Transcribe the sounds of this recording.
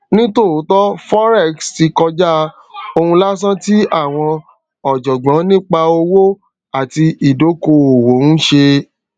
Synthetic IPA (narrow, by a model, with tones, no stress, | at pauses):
nĩ˦to˦˨˦tɔ˦fɔ˦ɾɛ˦˨ksti˧kɔ˧d͡ʒa˦ | o˧hũ˧la˦s̬ã˦ti˦a˦˨w̃ɔ̃˧ | ɔ˨d͡ʒɔ˨ɡ͡bã˨˦nĩ˦k͡pa˧o˧wo˦ | a˦˨ti˧i˨do˨˦ko˧o˨wo˨˦n̩˦ʃe˧